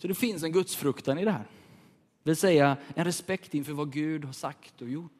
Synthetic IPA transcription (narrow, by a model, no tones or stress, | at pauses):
sɔd̪ɛfɪns̬ɛnɡɵt̪sfɾɵkt̪anɪd̪ɛɦæ̰ːɾ | d̪vɪlsɛjːaɛnɾɛspɛkt̪ɪnfœːɾvaɡʉ̟ːd̪haʂakt̪ɔjʊʈː